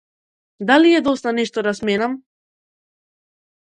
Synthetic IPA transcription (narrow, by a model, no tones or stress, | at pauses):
d̪aliɛd̪ɔst̪anɛʃt̪ɔd̪asmɛnam